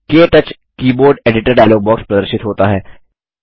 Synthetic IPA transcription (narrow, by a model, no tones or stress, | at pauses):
keːʈ̪ət͡ʃ | kiːboːɾɖeːɖɪʈəɾɖaːloːbɔːkspɾɐd̪əɾʃɪt̪ɦoːt̪aɦɛː